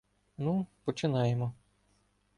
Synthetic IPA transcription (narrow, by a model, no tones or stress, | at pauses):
nupɔt͡ʃɪnɑjemɔ